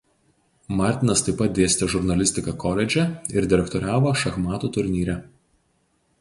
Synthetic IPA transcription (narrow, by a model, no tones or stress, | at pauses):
mɑˑɾʲt̪ʲɪnɐst̪ɐɪpɐt̪̚d̪ʲeːsʲt̪ʲɛʒʊɾnɐlʲɪsʲt̪ʲɪkɐkɔlʲɛd͡ʒʲɛɪɾd̪ʲɪɾʲɛkt̪ɔɾʲæːʋoːʃɐxmɑːt̪uːt̪ʊɾʲnʲiːɾʲɛ